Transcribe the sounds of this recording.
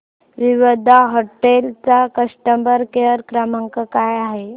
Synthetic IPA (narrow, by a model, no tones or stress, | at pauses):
ʋiʋəd̪ʱaɦoʈelt͡sakəsʈəmbəɾkeəɾkɾaməŋkəkajaɦe